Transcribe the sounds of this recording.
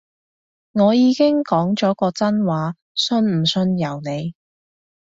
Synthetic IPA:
ŋɔː˨˧jiː˨˧kɪ˥ŋkɔː˨˥ŋt͡ʃɔː˨˥kɔː˧t͡sɐ˥nwaː˨˧ | sɵ˧nm̩˨˩sɵ˧njɐ˨˩wne˨˧j

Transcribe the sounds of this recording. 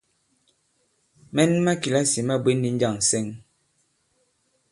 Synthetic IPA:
mɛ˦n˦ma˦ki˨la˦si˨ma˦bwe˦n˦di˦n̩˦d͡ʒa˦˨ŋ˨sɛ˦ŋ

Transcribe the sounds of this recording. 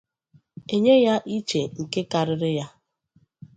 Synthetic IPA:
e˦ɲe˦ja˦ʔi˦t͡ʃe˨ŋ̩˨ke˦ka˨ɾɪ˦ɾɪ˦ja˦

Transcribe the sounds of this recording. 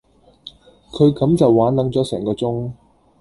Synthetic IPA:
kʰɵ˨˧ɥkɐ˨˥mt͡sɐ˨wːaː˨˥nlɐ˨˥ŋt͡sɔː˨˥sɛ̰ː˨˩ŋkɔː˧t͡sʊ˥ŋ

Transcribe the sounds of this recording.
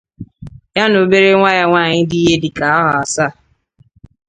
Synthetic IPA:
ja˦no˨be˦ɾe˦ŋʷa˦ja˦ŋʷaː˦˨ɲɪ˦di˦ɦe˦dɪ˨ka˨a˦ɦʊ˨a˨sa˦˨

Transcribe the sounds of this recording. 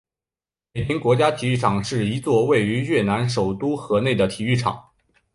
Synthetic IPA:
me˨˩ɪp̪ʰi˥ŋkwɔ˧˥t͡ɕja˥t̪ʰi˨˩y˥˩ʈ͡ʂʰɑ˨˩ŋʂɻ̩˥˩i˧˥t͡swɔ˥˧we˥˩ɪy˧˥ɥɛ˥˩na˧˥nʂo˨˩ʊt̪u˥xɤ˧˥ne˥˩ɪd̪ə˩t̪ʰi˨˩y˥˩ʈ͡ʂʰɑ̰˨˩˦ŋ

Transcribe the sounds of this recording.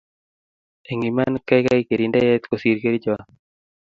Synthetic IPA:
e˨ŋɡi˨ma˦nka˦jkai˦ke˨ɾi˨ndɛ˦jɛ˦t̪ko˨si˨ɾke˦ɾi˦d͡ʒɔ˦a˨

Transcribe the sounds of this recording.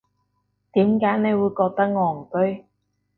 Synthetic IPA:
t̪iː˨˥mkaː˨˥jne˨˧jwu˨˧jkɔː˧k̚t̪ɐ˥k̚ŋɔː˨˩ŋkɵ˥ɥ

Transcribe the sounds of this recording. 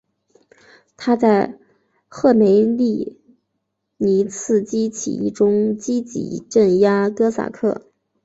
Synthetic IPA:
t̪ʰa˥t͡sa˥˧ɪ | xɤ˥˩me˧˥ɪli˥˩ | ni˧˥t͡sʰɹ̩˥˩t͡ɕi˥t͡ɕʰḭ˨˧˩ʈ͡ʂʊ˥ŋt͡ɕi˥t͡ɕḭ˧˨˩ʈ͡ʂə˥˩nja˥kɤ˥sa̰˨˩kʰɤ˥˩

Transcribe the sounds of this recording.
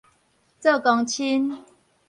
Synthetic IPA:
t͡sə˥˧˨kɔ˧ŋt͡ɕʰi˦n

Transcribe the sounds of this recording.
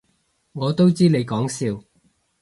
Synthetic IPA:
ŋɔː˨˧t̪o˥wt͡siː˥le˨˧jkɔː˨˥ŋsiː˧w

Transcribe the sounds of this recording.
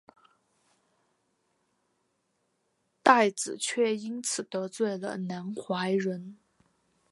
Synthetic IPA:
t̪a˥˩ɪd͡zɹ̩˨˩t͡ɕʰɥɛ˥˩i˥nt͡sʰɹ̩˨˩t̪ɤ˧˥t͡swe˥˩ɪlə̰˩na˧˥nxwa˧˥ɪɻə˧˥n

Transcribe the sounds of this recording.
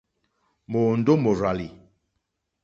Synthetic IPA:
mo˨n̩˦do˦mo˨ɾa˨li˨

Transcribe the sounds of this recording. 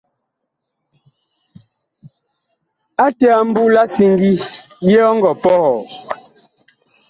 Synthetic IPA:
a˦tɛ˦a˦˨m̩˦bu˦la˦si˦ŋɡi˦ | jɛ˦ɔ˦ŋ˦ɡɔ˨pɔ˦hɔ˨

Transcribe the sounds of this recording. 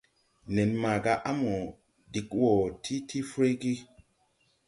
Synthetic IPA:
ne˨nma˨ɡa˧˦ʔa˦mo˨ | di˨kwo˨tʰi˦tʰi˦fɾe˦ɡi˦

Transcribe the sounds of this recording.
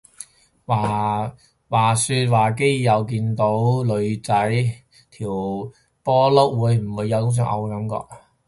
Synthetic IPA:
waː˨˩ | waː˨˩syː˧t̚waː˨˩k̬e˥jjɐ˨˧wkiː˧nt̪o˨˥wlɵ˨˧ɥt͡sɐ˨˥j | t̪ʰiː˨˩w | pɔː˥lo˥k̚wuː˨˧jm̩˨˩wuː˨˧jːɐ˨˧wt̪ʊ˥ŋs̬œː˧˥ŋʔɐ̰˧wkɐ˨˧˥mkɔ̰ː˧k̚

